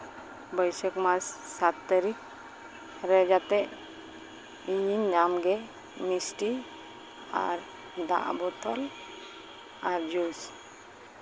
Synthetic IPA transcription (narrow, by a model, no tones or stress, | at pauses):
bəjsəkmassat̪ːaɾik | ɾɛd͡ʒat̪ɛʔ | iɲiɲamɡɛ | misʈi | a̰ɾ | d̪a̰ʔbɔt̪ɔl | aɾd͡ʒus